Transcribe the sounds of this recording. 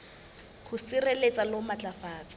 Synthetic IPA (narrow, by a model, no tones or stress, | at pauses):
χʰʊsɪrelet͡sʼalɔmat͡ɬʼafaːt͡sʼḁ